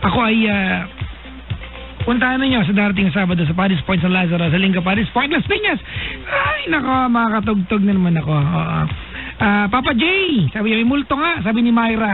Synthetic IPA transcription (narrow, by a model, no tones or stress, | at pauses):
ʔɐko̞ʔɐjaː | pʊnt̪ahɐnɐɲo̞s̬ɐd̪aːɾɐt̪ɪŋɐs̬aːbɐd̪os̬ɐpaːɾɪspojnt̪̚sɐlaːsɐɾɐsɐlɪŋɡɐp̬aːdɪspojnt̪lɐspiɲɐsajnɐko̞mɐŋakɐt̪̬ʊɡ̚t̪oɡ̚nɐnɐmanɐko̞ʔo̰ːʔo̰ | ʔaːpaːpɐd͡ʒɛjsaːbɪɲomɐjmʊlt̪oŋasaːbɪnɪmajɾɐ